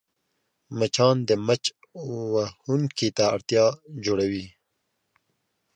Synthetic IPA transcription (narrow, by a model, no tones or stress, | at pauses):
mɐt͡ʃʰɑːnd̪emɐt͡ʃ | wahunkit̪aːɽt̪jɑːd͡ʑoɽɐwiː